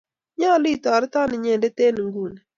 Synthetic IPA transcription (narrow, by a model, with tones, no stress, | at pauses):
ɲa˦˨li˦i˨t̪a˨ɾɪ˦t̪a˦nɪ˨ɲe˨de˦t̪e˦nɪ˨ŋɡu˦˨n˨